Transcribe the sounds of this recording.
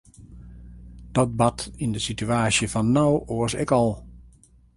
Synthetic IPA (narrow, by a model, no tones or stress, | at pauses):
d̥ɔt̚batindəsityaːsjəfɔnːawoəsɛ̰kɔlˠ